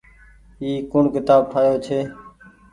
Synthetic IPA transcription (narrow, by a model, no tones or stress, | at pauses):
iːkʊɳkɪt̪aːb̚ʈʰaːjoːt͡ʃʰeː